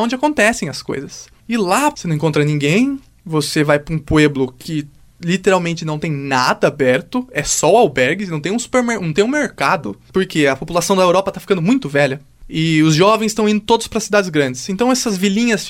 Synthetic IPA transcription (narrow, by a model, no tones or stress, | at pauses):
õnd͡ʒɪakõnt̪ɛsẽj̃ɐsko̰jzɐs | ɪlaseñẽkõt̪ɾɐnĩŋɡẽj̃ | vosevajpɾũpueblʊkʰɪ | lit̪eɾawmẽnt͡ʃɪnɐ̃w̃t̪ẽj̃nad̪ɐabɛɾt̪ʊɛsɔʊawbɛɾɡɪnɐ̃w̃t̪ẽũsu̥peɾmeɾnɐ̃w̃t̪ẽũmeɾkad̪ʊpoɾkeɐpopulasɐ̃w̃d̪ɐewɾɔpɐt̪afikɐ̃nd̪ʊmũj̃t̪ʊvɛʎɐ | ɪʊzʒɔvẽj̃st̪ɐ̃w̃ĩnd̪ʊt̪od̪ʊspɾɐsid̪ad͡ʒɪzɡɾɐ̃nd͡ʒɪsẽnt̪ɐ̃w̃ɛsɐzvilĩɲɐs